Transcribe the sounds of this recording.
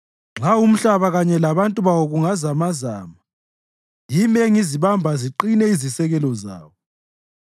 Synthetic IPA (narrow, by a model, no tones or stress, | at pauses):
ŋ͡ǁaum̩ɬaβaɣaɲɛlaβantʼuβawɔɣuŋazamaza̰ːma | jimeŋiziβambʱaziǃinɛizisɛɣɛlɔza̰ːwɔ